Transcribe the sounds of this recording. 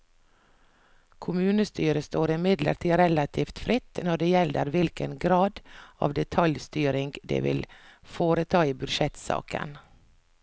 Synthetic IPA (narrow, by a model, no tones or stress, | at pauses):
kʰʊmʉːnəst̪yːɾəst̪oːɾɪmɪd̪lə̰ɾʈʰiːɾɛlɑt̪ʰiːft̪fɾɪt̪ːnɔɖeːjɛlːə̰ɾʋɪlkənɡɾɑːd̪ɑ̰ːʋd̪ɛt̪ʰɑljst̪yːɾɪŋɡd̪ḛːʋɪ̰lfoːɾət̪ʰɑːiːbʉd̪ʃɛt̪sɑ̰ːkə̰n